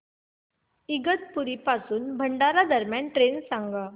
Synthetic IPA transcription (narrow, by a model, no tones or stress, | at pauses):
iɡət̪̚puɾipasuːnbʱəɳɖaɾad̪əɾmjanʈɾensãŋɡa